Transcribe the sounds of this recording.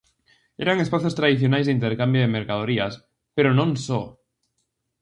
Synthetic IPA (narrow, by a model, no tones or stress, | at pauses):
ḛɾaŋespaθjost̪ɾaðiθjonajzðeint̪eɾkambjoðemeɾkað̞oɾias | peɾonõnso